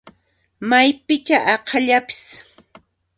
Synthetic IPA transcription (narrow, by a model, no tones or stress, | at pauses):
majpɪt͡ʃaʔɑqʰɑʎapɪ̥s